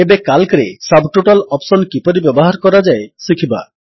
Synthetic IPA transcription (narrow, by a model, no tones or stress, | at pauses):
ebekalkɾḛsabʱʈuʈɔlɔpsɔnkipɔɾibjɔbɔɦaɾkɔɾad͡ʒaesikʰiba̰